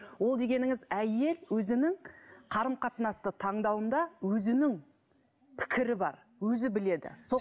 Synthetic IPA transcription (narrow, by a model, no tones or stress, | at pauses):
wo̞lˠd̪e̞ɡʲe̞nɪŋɪzæje̞lwɵzɪnɪŋqʰɑɾəmqʰɑt̪nɑst̪ət̪ʰɑɴd̪ɑwənd̪ɑwɵzɪnɪŋ | pʰɪ̥kʲʰɪɾɪbɑ̰ɾ | wɵzɪbɪle̞d̪ɪ̰so